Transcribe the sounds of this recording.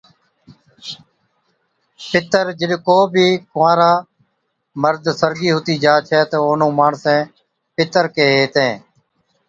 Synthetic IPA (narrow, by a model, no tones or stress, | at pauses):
pɪt̪əɾd͡ʒɪɗkoːbʱiːkʋãːɾaː | məɾd̪səɾɡiːɦʊt̪iːd͡ʒaːt͡ʃʰɛːt̪oːoːnõːmaːɳsɛ̃ː | pɪt̪əɾkeːɦeːt̪ẽː